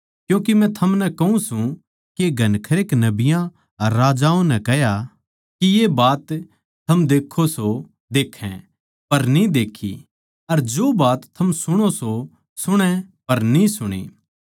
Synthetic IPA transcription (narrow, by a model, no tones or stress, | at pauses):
kjũːkimɛ̃t̪ʰɐmnɛkɐũsũ | kieɡʱɐnkʰɐɾeːknɐbɪjã | ɐɾːaːd͡ʒaːõnɛkɛɦja | kijebaːt̪ʰː | ɐmd̪eːkʰːoso | d̪eːkʰɛ̰̃ | pɐɾnĩd̪eːkʰḭ | ɐɾd͡ʒoːbaːt̪ʰːɐmsʊɽ̃oso | sʊɽ̃ɛ̃pɐɾnĩsʊɽ̃ḛː